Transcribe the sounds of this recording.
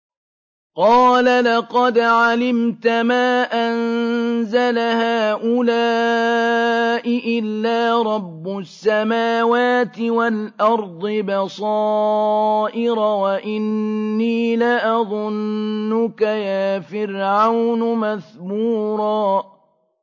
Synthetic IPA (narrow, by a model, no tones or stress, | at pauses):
qɑːlalɑqɑd̪ʕalɪmt̪amaːʔanzalahaːʔʊlaː | ʔɪʔɪlːaːɾˤɑbːʊsːamaːwaːt̪ɪwalʔɑɾˤd̪ˤɨbɑsˤɑː | ʔɪɾawaʔɪnːiːlaʔɑðˤʊnːʊkajaːfɪɾʕawnʊmaðbuːɾˤɑː